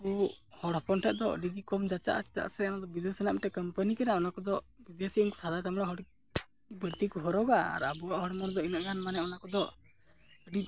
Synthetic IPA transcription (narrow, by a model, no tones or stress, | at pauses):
uhɔɽɔpɔnʈʰɛʔ̚d̪ɔə̰ɖid̪ikɔmd͡ʒat͡ʃa̰ʔa̰t͡ʃi̥t̪a̰ʔsɛɔnad̪ɔbid̪esənaʔmiʈɛkəmpənikɛnaɔnakɔd̪ɔbid̪esiunku̥t̪ʰad̪at͡ʃamɽaɦɔɽi | bəɾt̪ikɔɦɔɾɔɡaa̰ɾabuwaʔɦɔɽmɔɾd̪ɔinəʔɡanmanɛɔnakɔd̪ɔ | əɖi